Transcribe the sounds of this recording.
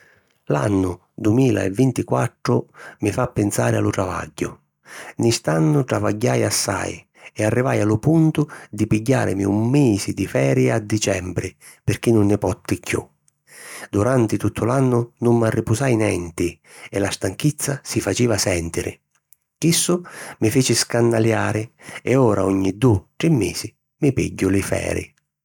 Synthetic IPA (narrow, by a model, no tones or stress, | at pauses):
la̰nːʊ | d̪umiːla̰ɛ̰vːint̪ikwat̪ːɾʊmɪfapːɪnsaːɾɪa̰lʊt̪ɾava̰ɟːʊ | nɪst̪anːʊʈ̪ɾava̰ɟːajasːa̰j | ɛarːivajalʊpunt̪ʊd̪ipiɟːa̰ːɾɪ̰mɪumːiːzɪd̪ifɛːɾjɪad̪ːit͡ʃɛmbɾɪ | pɪrk̟inːʊnːɪpɔt̪ːɪkʰːjṵ | d̪uɾant̪ɪt̪ut̪ʰːʊlanːʊnʊmːarːipʊsajnɛnt̪ɪ | ɛlast̪aŋkit̪sːasifat͡ʃiːvasɛnt̪ɪɾɪ̰ | kisːʊmɪfeːt͡ʃɪskanːaljaːɾɪɛɔːɾaɔɲːid̪ut̪ɾɪmːḛːsɪ | mɪpḭɟːʊlɪfɛ̰ːɾɪ̰